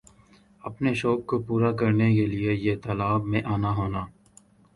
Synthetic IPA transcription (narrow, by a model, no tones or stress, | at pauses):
ɐpneʃoːkːopuːɾakɐɾnekeliejet̪ɐlaːbmẽʔaːnaɦoːnaː